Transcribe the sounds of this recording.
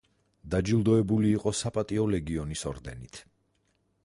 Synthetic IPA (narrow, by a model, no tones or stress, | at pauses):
d̪ad͡ʒilˠd̪ɔɛbuliːqʼɔsapʼat̪ʼiɔlɛɡiɔnisɔɾd̪ɛ̰nit̪ʰ